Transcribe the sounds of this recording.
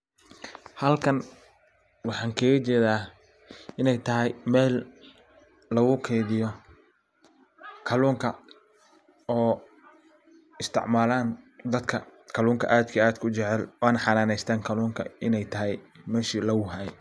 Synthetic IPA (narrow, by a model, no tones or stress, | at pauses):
hɐlkʰɐn | wɑħɑːŋkʰɐːɣɐt͡ʃɛːðaː | ɪnɛjt̪ʰɐɦɛjmɛːl | ɐɣʊkʰɛːðɪjɔ | kʰɐluːŋkʰɐ | ɔː | ɪst̪ʰɪ̰ʕmaːlaːnd̪ɐd̪kʰɐkʰɐluːŋkʰɐ̰ʔaːd̪kʰiaːd̪kʰʊt͡ʃɛʕɛlwaːnɐħɑnaːnɛjst̪ʰaːŋkʰɐluːŋkʰɐ̰ɪnɛjt̪ʰɐɦɛjmɛːʃiːlɐɣʊɦaːj